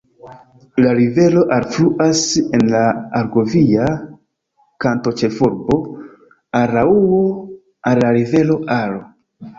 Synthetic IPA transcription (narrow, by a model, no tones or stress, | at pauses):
laɾive̞lo̞ʔalfluʔasenlaːɾɡo̞via | kanto̞t͡ʃe̞fuɾbo̞ | aɾauo | alːaɾive̞lo̞ʔalo